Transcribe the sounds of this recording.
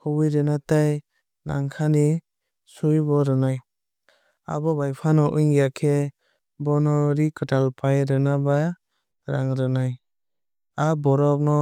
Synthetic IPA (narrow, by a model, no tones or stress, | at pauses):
hɔwɯjɾɯnataj | na̰ŋkʰani | sujbɔɾɯnaj | a̰bɔbajpʰanɔʔɯjŋɡijakʰe | bɔnɔɾikɯtalpʰajɾɯnaba | ɾaŋɾɯnaj | abɔɾɔp̚nɔ